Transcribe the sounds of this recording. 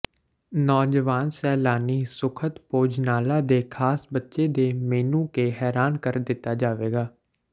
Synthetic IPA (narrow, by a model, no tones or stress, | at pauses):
nɔːd͡ʒəʋaːnsɛːlaːniːsʊkʰət̪poːd͡ʒnaːlaːd̪eːkʰaːsbətːʃeːd̪eːmeːnũːkeːɦɛːɾaːnkəɾd̪ɪt̪ːaːd͡ʒaːʋeːɡaː